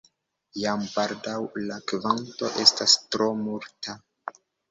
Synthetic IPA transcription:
jampaɾdawlakvanto̞ʔe̞stastɾo̞muɾta

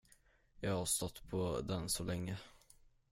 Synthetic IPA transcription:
jɑːɡhɑst̪ɔt̪ːpʰɔd̪ɛnsɔlɛŋːə

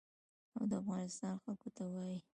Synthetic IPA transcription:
awd̪əafɣɑnɪst̪ɑnxalkot̪awɑji

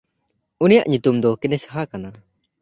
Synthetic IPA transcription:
unijaʔɲut̪umd̪ɔkɛnɛsɦakana

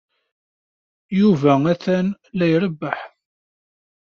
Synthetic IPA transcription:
juvææθæn | læjɾəbːəħ

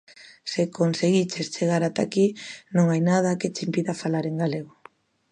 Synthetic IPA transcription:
sekonseɣit͡ʃest͡ʃeɣ̞aɾat̪akinõŋajnað̞aket͡ʃimpiðafalaɾeŋɡaleɣ̞o

